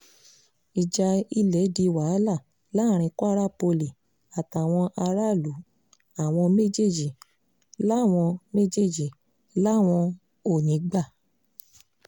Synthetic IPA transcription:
i˨d͡ʒa˧i˧lɛ˨˦di˧wa˨˦la˦˨ | la˦˨ɾ̃ĩ˧kwɾa˦po˧li˨ | a˨ta˨w̃ɔ̃˧ʔa˧ɾa˦˨lu˨˦ | a˦˨w̃ɔ̃˧me˦d͡ʒe˦˨d͡ʒi˨ | la˦˨w̃ɔ̃˧me˦d͡ʒe˦˨d͡ʒi˨ | la˦˨w̃ɔ̃˧ | o˦˨nĩ˨˦ɡ͡ba˦˨

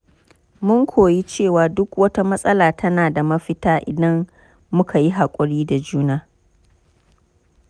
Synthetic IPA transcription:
mʊ˦ŋkʷʰoː˨ji˦t͡ʃeː˦˨waː˨dʊ˦kwɐ˦ta˦mɐ˦sʼɐ˦laː˨tʰɐ˦naː˨da˨mɐ˦ɸɪ˦taː˦ʔɪ̰˨dɐ˦mː | ʊ˦kʰa˨ji˦ɦa˨kʷʼʊ˨ɽiː˦da˨d͡ʒuː˦naː˦

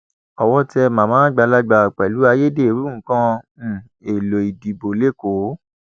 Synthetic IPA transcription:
ɔ˨wɔ˧ti˦ɛ˧mã˨mãː˨˦ɡ͡ba˧la˦ɡ͡ba˧˨k͡pɛ˨lu˨˦a˧je˦de˦˨ɾũ˦kã˦˨ | e˨lo˨i˨di˨bo˨le˦ko˨˦

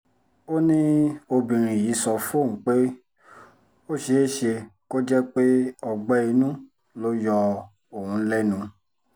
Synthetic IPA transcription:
o˦nĩ˦o˧bĩ˨ɾ̃ĩ˨ji˨˦sɔ˧fõ˦˨k͡pe˦ | o˦˨ʃe˨˦ʃe˧ko˦d͡ʒɛ˦k͡pe˦ɔ˧ɡ͡bɛ˦i˧nũ˦ | lo˦jɔ˧ | o˨hũ˧˦lɛ˦nũ˧

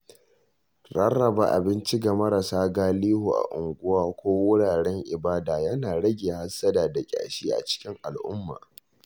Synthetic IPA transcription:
ɽɐ˦rːɐ˨ba̰ː˨ʔa̰˨bɪ˦nt͡ʃi˦ɡa˨mɐ˦ɾa˨saː˦ɡaː˦liː˦hu˨ʔa̰˨ʔʊ˨ŋɡʷʊ˦waː˦kʷoː˦wʊ˦ɽaː˨ɽɛ˦ŋʔɪ̰˨baː˦daː˨jɐ˦naː˨ɽɐ˦ɡʲeː˨ha˦sːɐ˦daː˨da˨kʲʼa̰ː˨ʃiː˦ʔa̰˨t͡ʃɪ̥˦kʲɪ˦ŋʔa˨lʔʊ̰˦mːa̰ː˨

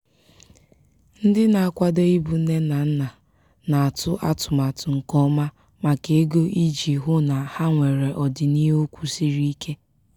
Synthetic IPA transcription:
n̩˦dɪ˦na˨a˨kʷa˦do˦i˦bu˨˦ne˦na˨n̩˦na˨ | na˨a˨tʊ˦ʔa̰˦tʊ˨ma˨tʊ˨ŋ̩˨kɔ˦ma˦ | ma˨ke˨e˦ɡo˦ʔi˦d͡ʒi˨ɦʊ˦na˨ha˦ŋʷe˨ɾe˨ʔɔ˨dɪ˨ni˦o˦kʷu˦si˦ɾi˦kʰe˦

